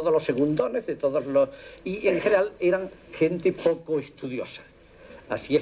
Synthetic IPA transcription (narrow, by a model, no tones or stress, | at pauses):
oðolo̞sːe̞ɣund̪o̞ne̞zðet̪o̞ðozlosieŋxeneɾale̞ɾaŋxe̞nt̪epo̞koest̪uðjo̞̰sḁ | a̰sie